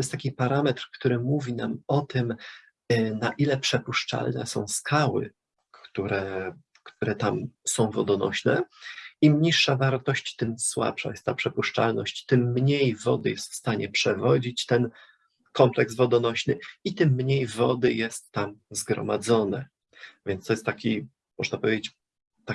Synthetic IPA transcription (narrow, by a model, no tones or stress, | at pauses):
t̪jɛst̪akʲipaɾamɛt̪ɾkt̪uɾɘmuvʲinamɔt̪ɘm | naʔilɛpʂɛpuʂt͡ʂa̰lnɛ̰sɔ̰̃w̃skʰawɘ̰ | kt̪uɾɛ | kt̪uɾɛt̪amsɔ̃w̃vɔd̪ɔnɔ̰ɕnɛimɲiʂːavaɾt̪ɔɕt͡ɕt̪ɘmswa̰pʂa̰jɛst̪t̪ːapʂɛpuʂt͡ʂa̰lnɔɕt͡ɕt̪ɘmːɲejvɔd̪ɘjɛst̪fst̪aɲɛpʂɛvɔd͡ʑit͡ɕt̪ɛn | kɔmplɛksvɔd̪ɔnɔɕnɘit̪ɘmːɲejvɔd̪ɘjɛst̪ːamzɡɾɔ̰mad̪zɔnɛ | vʲjɛnst̪ɔjɛst̪ːakʲi | mɔʐnapɔvʲjed͡ʑet͡ɕ | t̪a